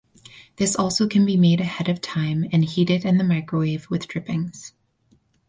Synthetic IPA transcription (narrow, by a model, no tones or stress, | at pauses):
ðɪsɔlˠsoʊkʰɨ̃n̩bimeɪɾɨhɛɾʌv̥tʰãɪ̃mɨ̃nhiɾɪɾɨ̃nðɨmaɪkɹəweɪvwɨðdɹ̥ɪpɪ̃ŋz̥